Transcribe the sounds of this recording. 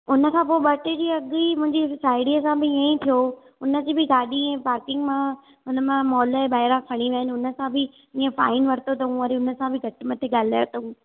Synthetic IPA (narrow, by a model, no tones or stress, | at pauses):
ʊnəkʰãːpoːɪɓɐʈɪd͡ʑiːɐɠimʊ̃ɦɪ̃ɲd͡ʑisaːɪɽiəsãbɪiə̃ĩt̪ʰijo | ʊnə̆d͡ʑiːbɪɡaːɗiɛ̃ːpaːɾkɪ̃ŋɡmã | ɦʊnəmãmɔːlɛ̃ːɓaːɦɪɾãkʰɐɽ̃iʋɐɦɪnɪ̆ʊnə̆sãbʱɪ | ĩːə̃faːɪnʋɐɾt̪ot̪ɐɦũːɐɾiʊnəsãbʱɪɡʱɐʈɪmɐt̪ʰeɠaːl̤aːjot̪ɐɦũː